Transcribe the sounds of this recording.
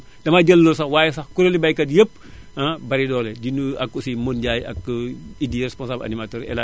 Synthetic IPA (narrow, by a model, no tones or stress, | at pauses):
dɐmaɟɐlːosɐxwaːjɛsɐxkuɾolibajkɐdjəpː | abɐɾidɔːlɛdinuɐkːusimonɟaːjɐ̰kːidiɾɛspɔ̃nsaːbla̰nimatoːɾɛ̰la